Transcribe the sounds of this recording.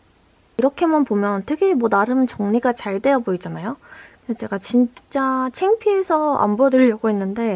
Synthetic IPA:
iɾʌkʰe̞manpomjʌntʰɯɡʰemwʌnaɾɯmt͡ɕʌŋɲiɡat͡ɕaɭt͈e̞jʌboid͡ʑanajokɯndʰet͡ɕe̞ɡat͡ɕint͡ɕ͈at͡ɕʰeŋpʰie̞sʰʌa̰mbʌdɯʎːʌɡoɦenːɯnde̞

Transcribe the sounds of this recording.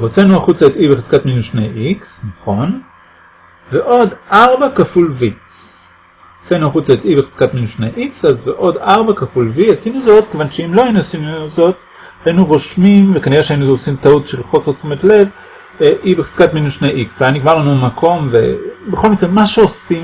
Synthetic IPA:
ʁot͡senuaχut͡saet̪ibeχez̥katminuʃnḛjʔiksnaχo̞n | veʔo̞daʁbakafulvi | osenuaχut͡saet̪ibeχe̥z̥katminuʃnḛjʔiksazveʔo̞d̪aʁbakafulviasinuzo̞t̪kevanʃeimloainuosinuzo̞t | hainuʁo̞ʃmimvekaniʁeʃeainuosimtautʃelχo̞sesumetle̞v | eʔibeχe̥z̥katminuʃnejʔiksveajniɡmaʁlanumakʰo̞mvḛbeχo̞lmikʁemaʃeosim

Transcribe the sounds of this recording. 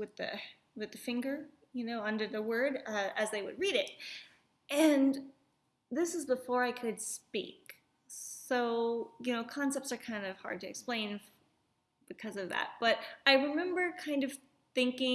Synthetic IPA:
wɨðɨ̰ | wɨðɨfɪ̃ŋɡə˞ | jɨnoʊʌ̃ndə˞ðəwɜ˞ɾʌɨzðeɪwɨ̰d̚ɹiɾɪt̚ | ʔɨ̃n | ðɪsɨzbəfɔɹaɪkʰɨd̥spḭk | soʊjɨnoʊkʰɑ̃nsɛp̚tsə˞kʰãɪ̃ndʌv̥hɑ̰ɹd̚tɨɨ̰ksplẽɪ̃n | b̥ɨkʰʌzʌvðæ̰t̚b̥ʌɾaɪɹɨmɛ̃mbə˞kʰãɪ̃ndʌv̥ | θɪ̃ŋkɪ̃

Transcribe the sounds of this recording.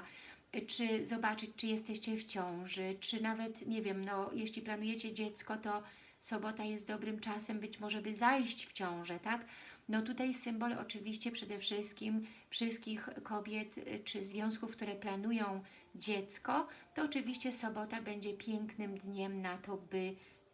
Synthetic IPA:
t͡ʂɘzɔbat͡ʂɘt͡ɕt͡ʂɘjɛst̪ɛɕt͡ɕɛft͡ɕɔ̃w̃ʐɛt͡ʂɘnavɛt̪ɲɛvʲjɛmnɔjʔɛɕlʲiplanujɛt͡ɕɛd͡ʑɛt̪skɔt̪ɔ | sɔbɔt̪ajɛst̪̚d̪ɔbɾɘmt͡ʂasɛmbɘt͡ɕmɔʐɛbɘzajɕt͡ɕft͡ɕɔ̃w̃ʐɛt̪aknɔt̪ut̪ajsɘmbɔlɔ̰t͡ʂɘvʲiɕt͡ɕɛpʂɛd̪ɛfʂɘst̪̚kʲimfʂɘst̪̚kʲixkɔbʲjɛt̪t͡ʂɘzvʲjɔ̃w̃s̬kufk̚t̪uɾɛplanujɔ̃w̃ | d͡ʑɛt̪skɔt̪ɔːt͡ʂɘvʲiɕt͡ɕɛsɔbɔt̪abɛɲd͡ʑɛpʲjɛŋknɘmd̪ɲɛmnat̪ɔbɘ

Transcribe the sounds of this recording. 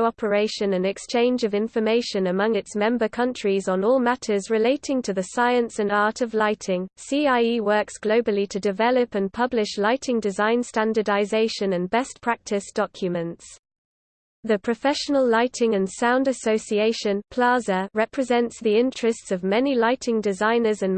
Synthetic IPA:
ʊɒpʰəɹeɪʃə̃nə̃nɛkst͡ʃʰẽɪ̃nd͡ʒəvɪ̃ɱfəmeɪʃə̃nəmʌ̃ŋɪtsmɛ̃mbəkʰʌ̃nt͡ʃɹ̥izn̩ɔːlˠmatʰəzɹɪleɪtʰɪ̃ŋtʰəðəsaɪə̃nsə̃nɑˑtʰəvlaɪtʰɪ̃ŋsiːaɪiwɜˑksɡ̥ləʊbəlitʰədɪvɛləpə̃npʰʌblɪʃlaɪtʰɪ̃ŋdɪzãɪ̃nstãndədaɪzeɪʃə̃nə̃nbɛspʰɹ̥ak̚tʰɪsd̥ɒkʰjəmə̃nts | ðəpʰɹ̥əfɛʃənəlˠlaɪtʰɪ̃ŋə̃nsãʊ̃ndəsəʊsieɪʃə̃npʰl̥ɑːzəɹɛpʰɹ̥ɪzɛ̃ntsðiɪ̃nt͡ʃɹ̥əstsəvmɛnilaɪtʰɪ̃ŋdɪzãɪ̃nəzə̃n

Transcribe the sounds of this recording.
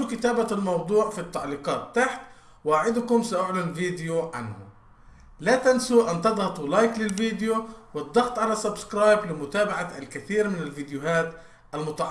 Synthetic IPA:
kɪt̪aːbalmɑwd̪ˤuːʕfit̪ːaʕliːqɑːt̪ːaħt̪ | waːʕɪd̪kʊmsaʔʊʕlɪnviːd̪ɪjoʕa̰nhʊ̰ | lat̪ansuʔant̪ɑd̪ˤhɑt̪ˤulaːjklɪlviːd̪ɪjowɨd̪ˤːɑɣt̪ˤʕalasabskɾaːjblɪmʊt̪aːbaʕalkɪθiːɾmɪnɪlviːd̪jʊɦaːt̪ | ʔalmʊt̪ɑʕ

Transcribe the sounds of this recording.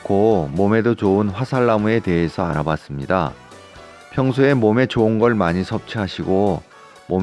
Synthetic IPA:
komome̞dot͡ɕoɯnɸwasʰaɭːamue̞te̞ɦesʰʌaɾabas͈ɯmɲida̰ | pʰjʌŋsʰue̞mome̞t͡ɕoɯnɡʌɭmaɲisʰʌp̚t͡ɕʰiɦaɕʰiɡo | mom

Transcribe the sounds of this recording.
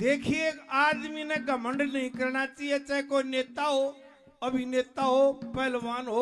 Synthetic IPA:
d̪eːkʰieaːd̪minɐkamɐ̃ɳɖnɐɦĩkɐɾɽ̃at͡ʃiet͡ʃɐekoːineːt̪aɦo | ɐbʱineːt̪aɦopɐɦɪlʋaːnɦoː

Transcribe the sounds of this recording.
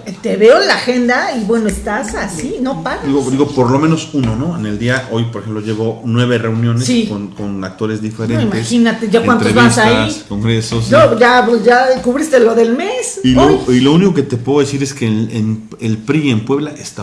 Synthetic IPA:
t̪eβeolaxe̞nd̪aiβwe̞noest̪asasino̞paɣad̪iɣod̪iɣopoɾlo̞mẽno̞suno̞no̞ene̞ld̪iaʔo̞jpoɾexemploʝeβo̞nwe̞βere̞unjo̞nesikonkonak̚t̪o̞ɾe̞zðife̞ɾeinimt̪esinat̪eʝakwant̪oeβasaikoŋɡɾesosnoʝapʝakuβɾist̪elo̞ðe̞lmesiloilouniko̞ke̞t̪epweɣoðesiɾe̞skeen | elpɾiempwe̞βlaʔest̪a

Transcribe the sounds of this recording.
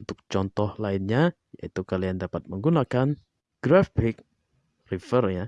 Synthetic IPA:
nt̪ʊk̚t͡ʃɔnt̪ɔhlaɪnɲa | ja̰it̪ukaliandapat̪̚məŋɡunakan | ɡ̥ɾafɪk̚ | rifərja

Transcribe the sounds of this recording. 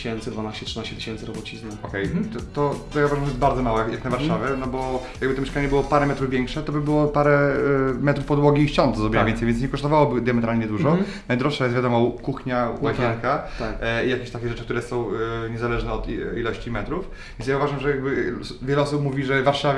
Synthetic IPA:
ɕɛnt̪sɨd̪vanaɕt͡ɕɛtʂɨnaɕt͡ɕɛt̪ɨ̥ɕɛnt̪sɨɾɔbɔt͡ɕizmɛɔkɛjt̪t̪ɔt̪ɔjauvaʐamʐɛjɛt̪baɾd̪zɔmawɛkjaknavaɾʂavʲjɛnɔbɔjaɡbɘt̪ɔmjɛʂkaɲɛbɘwɔpaɾɛmɛt̪ɾuvvʲjɛŋkʂɛt̪ɔbɘbɘwɔpaɾɛmɛt̪ɾufpɔd̪wɔɡʲiːʃt͡ɕɔnt̪zɾɔbʲnavʲɛnsɛjvʲjɛnsɲɛkɔɨst̪ɔvawɔbɘd̪jamɛt̪ɾalɲɛd̪uʐʐɔ | najd̪ɾɔʂʂajɛst̪vʲjad̪ɔmɔkuxɲawaɕɛnkaaijakʲeɕt̪akʲɛʐɛt͡ʂɘk̚t̪uɾɛsɔ̃w̃ɲɛzalɛʐnɛɔt̪ilɔɕt͡ɕimɛt̪ɾuf | vʲjɛnjauvaʐamʐɛjaɡ̚bɘvʲjɛlɛɔsupmuvʲiʐɛvaɾʂavʲ

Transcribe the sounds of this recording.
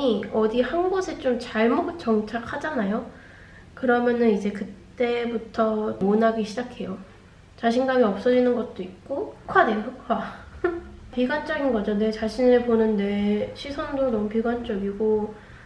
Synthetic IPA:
iʌdihanɡʌsʰet͡ɕ͈omt͡ɕaɭmot͡ɕ͈ʌŋt͡ɕʰakʰhad͡ʑanajo | kɯɾʌmjʌnɯnid͡ʑe̞kɯtt͈e̞butʰʌmonɦaɡiɕʰid͡ʑakʰe̞jo | t͡ɕaɕʰinɡamiʌp̚s͈ʌd͡ʑinɯnɡʌt̚t͈oit̚k͈okʰwadeokʰwa | piɡwant͡ɕ͈ʌɡinɡʌd͡ʑone̞t͡ɕaɕʰineɭponɯnːe̞ɕʰisʰʌndonʌmupiɡwant͡ɕ͈ʌɡiɡo

